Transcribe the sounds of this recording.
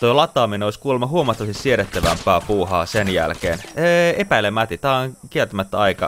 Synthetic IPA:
t̪ojlɑt̪ːˑɑːminoiskuːlemːɑɦuomɑt̪ːɑʋɑst̪issieɾet̪ːæʋæmpˑæːpuːɦɑːsenjæ̰lkḛːnːepæilemæt̪it̪æːoŋkielt̪æmæt̪ːæɑjkɑ̰

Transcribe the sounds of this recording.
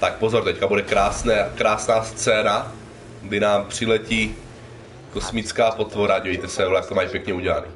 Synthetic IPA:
t̪ak̚po̞zo̞ɾt̪ɛckabudɛkɾaːsnɛkɾaːsnaːst͡sɛːna | ɡdɪnaːmpr̝̥ɪlɛciː | ko̞smɪt͡skaːpo̞t̪vo̞ɾaɟivɛjt̪ɛsɛlɛjak̚t̪omaːjpjɛkɲɛuɟɛlanɪ

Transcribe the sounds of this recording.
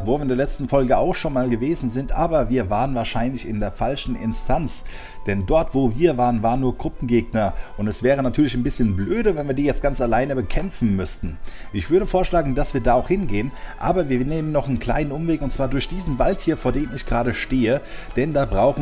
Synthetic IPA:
voːvɐɪndeɐlɛt͡stn̩fɔlɡəaʊxʃoːnmaːlɡəveːzn̩zɪntʔaːbɐviːɐvaːʁənvaːɐʃaɪnlɪçɪndeːɐfalʃn̩ɪ̰nstʰant͡s | d̥ɛndɔɐtv̥oːviːɐvaːʁənvaːʁənːuːɐɡʁʊpm̩ɡeːɡ̚nɐʔʊntɛsv̥ɛːʁ̞ənatʰyːɐlɪçanbɪsçənbløːdəvɛnviːɐdiːjɛt͡stɡ̥ant͡salaɪnəbəkʰɛmfn̩mʏstn̩ | ʔɪçv̥ʏɐɾəfoːɐʃlaːɡŋ̩dasv̥iːɐdaːaʊxhɪnɡeːənʔa̰ːbɐviːɐneːmənːɔχnkl̥a̰ɪnənʔʊmveːkʊntt͡sv̥aːɐdʊɐçd̥iːzn̩valthiːɐfoːɐdeːmɪçɡ̥ʁaːɾəʃteːəd̥ɛndaːbʁaʊx

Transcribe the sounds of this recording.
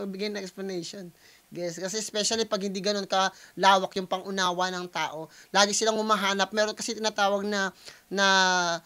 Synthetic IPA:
mɐɡ̚bɪɡajnɐŋʔɛksplɐnɛjʃon | ɡɛskɐsɛɛspɛʃɐlipɐɡ̚hɪnd̪iːɡɐno̞nkɐlaːwɐkjʊŋpɐŋʔʊnaːwɐnɐŋt̪aːʔo̞laːɡɪisɪlaŋhʊmaɦaːnɐp̚mɛːɾo̞nkɐsɛt̪ɪnaːt̪aːwɐɡ̚nɐnɐ

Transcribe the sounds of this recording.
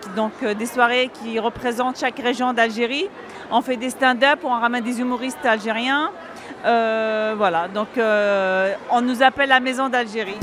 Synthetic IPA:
d̪ɔ̃kd̪eswaʁekʲiʁəpχezɑ̃t̪ʃakʁeʒjɔ̃d̪alʒeʁi | ɔ̃fɛd̪est̪ɛ̃d̪əpuɔ̃ʁamɛnd̪ezymuʁist̪alʒeʁjɛ̃ | øvwalad̪ɔ̃kø | ɔ̃nuzapɛlːamezɔ̃d̪alʒeʁi

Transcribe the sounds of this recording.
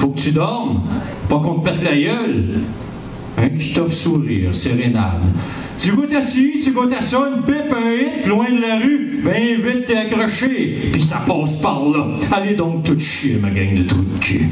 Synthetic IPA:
fokət̪yd̪ɔʁm | pɑkɔ̃t̪̚mɛt̪lajœl | ɛ̃kʲi̥t̪ɔfsuʁḭːʁseʁena̰d̪ | t̪yvot̪asit̪ykõt̪asɔynpɪpɛ̃ɪt̪lwɛ̃d̪laʁybɛ̃ɛ̃vɪt̪ːeakʁɔʃepisapɑːspaʁla | aled̪ɔ̃k̚t̪ut̪ʃemaɡʲaŋd̪ət̪ukʲʰi

